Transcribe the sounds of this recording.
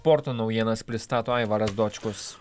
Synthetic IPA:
pɔɾt̪oːnɒʊjiɛnɐspʲɾʲɪst̪ɑːt̪oːɛɪʋɐɾɐsd̪oːt͡ʃʲkʊs

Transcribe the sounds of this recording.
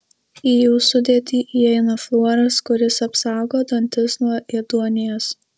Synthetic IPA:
ijuːsʊd̪ʲeːt̪ʲiːʔiɛɪnɐflˠuɔɾɐskʊɾʲɪsɐpsɑˑʊɡoːd̪ɐnʲt̪ʲɪsnɔʔɛd̪uɔnʲɪjoːs

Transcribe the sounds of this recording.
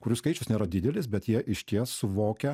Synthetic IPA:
kʊɾʲʊskɐɪt͡ʃʲʊsnʲeːɾɐd̪ʲɪd̪ʲɛlʲɪsbʲɛt̪jiɛʔɪʃʲt̪ʲiɛssʊʋoːkʲɛ

